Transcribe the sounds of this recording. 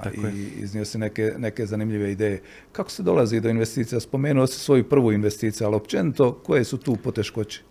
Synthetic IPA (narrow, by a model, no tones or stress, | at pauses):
iḭzniosenekene̞ke̞zanimʎiʋe̞id̪eːje | kako̥sed̪o̞lazid̪o̞inʋest̪iːt̪sijaspo̞me̞ːnuosi̥sʋo̞jupr̩ʋuːinʋe̞st̪iːt̪sijualiopt͡ʃe̞nit̪o̞kojesut̪uːpo̞t̪e̞ʃko̞t͡ɕi̥